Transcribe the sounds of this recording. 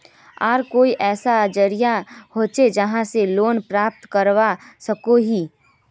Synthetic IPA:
aːɾkoːiʔɛːsad͡ʒəɾijahoːt͡ʃed͡ʒɐɦãseloːnpɾaːp̚t̪kəɾwasɐkoɦiː

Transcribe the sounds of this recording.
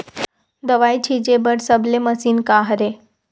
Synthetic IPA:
d̪əʋajt͡ɕʰid͡ʑebəɽsəbleməsiːnkaɦəɾe

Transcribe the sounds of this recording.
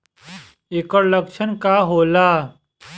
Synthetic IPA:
ekəɾlɐkʃʰənkaɦoːlaː

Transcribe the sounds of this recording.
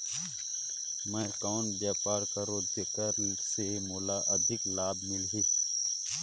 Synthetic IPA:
mɛ̃kaːnbjaːpaːɾkaɾoːd̪ekəɾ | semoːlaʔəd̪ʱɪklaːbmɪlɦiː

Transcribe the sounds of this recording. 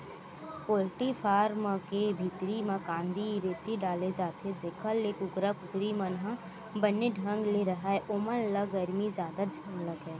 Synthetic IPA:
poːlʈifʰaːɾmkebʱit̪ɾimãkãːnd̪iɾeːt̪iɖaːled͡ʒaːt̪ed͡ʒekʰəlːeːkʊɡɾəkʊɡɾimənɦə̃ | bənːeɖʱə̃ŋɡleɾəɦaːeʔomənləɡəɾmid͡ʒjaːd̪ad͡ʒʱə̃ŋɡləɡɦɛː

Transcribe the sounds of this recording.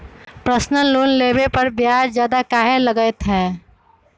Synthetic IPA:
pɾəsnəloːnleːbepəɾbjaːɾd͡ʒjaːd̪akaːɦeləɡəɪt̪ɦɛː

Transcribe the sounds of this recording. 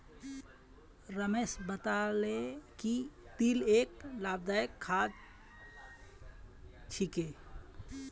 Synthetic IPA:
ɾəmeːsbət̪alekit̪iːleːklaːbd̪aːjəkʰːad̪ | t͡ʃʰike

